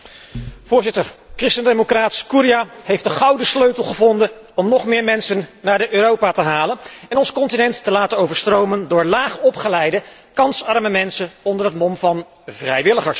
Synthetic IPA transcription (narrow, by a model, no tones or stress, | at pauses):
v̥ʊːɹzɪtəɹkrɪstəndejmokraːtskuɾijahejftdəχɑwdəsløɥtəlˠχəvɔndən | ɔmnɔχmɪːɹmɛnsənːaːɹdəʔøːrowpatəɦaːlənɛnɔnsə̥kɔntinɛntːəlaːtənowvəɹstrowməndʊːɹlaːχɔpχəlɛjdə | kɑnsɑɹməmɛnsənɔndərɦətmɔmvɑn | vrɛjʋɪləχəɹs